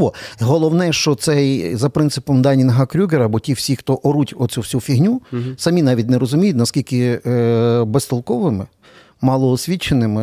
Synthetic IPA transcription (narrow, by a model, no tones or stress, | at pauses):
ɔɦɔlˠɔwnɛʃt͡ʃɔt̪sɛjzɐpɾɪnsɪpɔmd̪ɑnʲinɔɦɐkɾʲuɡeɾɐbɔtʲiwsʲixt̪ɔʔɔɾutʲɔsʲuwsʲufʲiɦnʲusɐmʲinɑʋʲitʲneɾɔzʊmʲijʊtʲnɐskʲilʲkɪ | best̪ɔlˠkɔʋɪmɪ | mɑlˠɔːsʲʋʲit͡ʃːenɪmɪ